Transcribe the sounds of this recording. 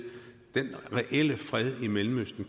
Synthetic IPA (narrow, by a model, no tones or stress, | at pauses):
d̥enʁɛʔel̰əfʁɛð̞ˠimelm̩øsd̥n̩k